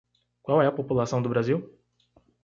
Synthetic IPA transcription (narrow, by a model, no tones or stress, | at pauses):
kwawɛɐpopulasɐ̃w̃d̪ʊbɾaziw